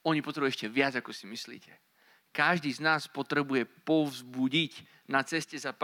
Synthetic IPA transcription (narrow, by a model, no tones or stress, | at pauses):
ɔɲipɔt̪ɾɛbuʊɛcɛʋɪad͡zakɔsimislḭːcɛ | kaʒd̪iːznaːspɔt̪ɾɛbujɛpɔvzbuɟic | nat͡sɛscɛzap